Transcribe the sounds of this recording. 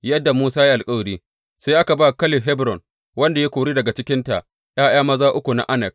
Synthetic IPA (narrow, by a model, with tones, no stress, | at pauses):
jɐ˦dːa˨muː˦saː˦ja˦ʔa˨lkʼɐ˦wɾiː˦ | se˦ʔa˦ka˨baː˦kɐ˦lɪ˨ɦɛ˦bɾɔ˨n | wɐ˦nda˨je˦kʷoː˨ɽiː˦dɐ˨ɡa˨t͡ʃɪ˦kʲɪ˦nta̰˨ʔ | j̰aː˦j̰aː˦mɐ˦zaː˦ʔʊ˦kʷu˨na̰˨ʔa˦nɛ˨k̚